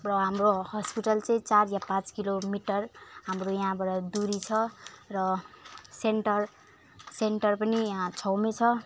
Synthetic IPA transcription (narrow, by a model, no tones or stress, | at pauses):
rʌɦamrohʌspiʈʌlt͡sʌĩt͡sarjapãt͡skilomiʈʌrɦamrojaɦãbaʈʌd̪uɾit͡sʰʌrʌsenʈʌr | seɳʈʌrpʌnijɦãt͡sʰʌwmet͡sʰʌ